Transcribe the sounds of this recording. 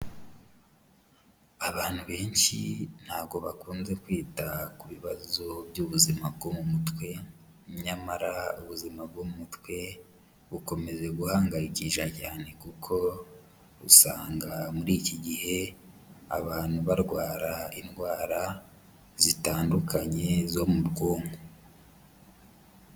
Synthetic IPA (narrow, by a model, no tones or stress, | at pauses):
aβaːnhuβe̞ːnʃḭn̥haːβɡo̞βakuːnze̞kwiːtakuβiβazobjuβuzimab̚ɡomumutwe̞ | ɲamaɾauβuzimab̚ɡoumutwe̞ | βuko̞me̞ze̞ɡuhaːŋɡajikiʃacaːne̞kukʰo̞ | ṵsaːŋɡamuɾiːciɟihe̞ | a̰βaːn̥huβaɾɡwaːɾainɡwaːɾa | zitaːndukaɲe̞zo̞muɾɡoːŋɡo